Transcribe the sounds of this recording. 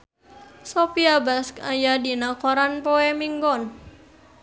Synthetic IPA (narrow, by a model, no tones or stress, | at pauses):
sɔpiabaskajadinakɔɾanpɔɛmiŋɡɔn